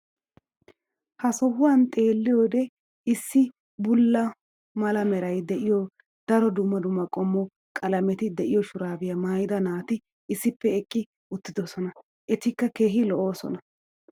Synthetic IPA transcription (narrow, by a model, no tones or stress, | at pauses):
hɐsɔhʊwɐnt̪ʼe̞ːlːɪjoːd̪ɛ | ɪsːɪ | bʊlːɐ | mɐlɐmɛɾɐjd̪ɛʔɪjɔ | d̪̥ɐɾɔd̪ʊmːɐd̪ʊmːɐkʼɔmːɔ | kʼɐlɐmɛt̪ɪd̪ɛʔɪjɔʃʊɾaːbɪjɐmaːjd̪ɐnaːt̪ɪ | ɪsːɪpːɛɛkʼːɪ | ʊt̪ːɪd̪ɔsɔnɐ | ʔɛt̪ɪkːɐke̞ːɦɪlɔʔo̞ːsɔ̰nɐ